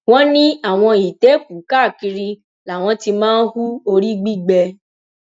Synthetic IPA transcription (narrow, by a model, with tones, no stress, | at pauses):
w̃ɔ̃˦nĩ˦a˦˨w̃ɔ̃˧i˨te˨˦k̚u˨˦ka˦˨ki˧ɾi˧ | la˨w̃ɔ̃˧ti˧mãː˦n̩˦hu˦o˧ɾi˦ɡ͡bi˦ɡ͡bɛ˧